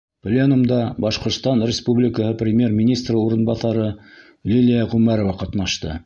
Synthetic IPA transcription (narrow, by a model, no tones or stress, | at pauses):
plʲenumd̪ɑbɑʃqŏɾt̪st̪ɑnrʲɪspublʲɪkəhɤprʲɪmʲjermʲɪnʲist̪rəuɾɤ̆nbɑθɑɾɤ | lʲilʲijɑʁʉmæɾovɑqɑt̪nɑʃt̪ɤ̰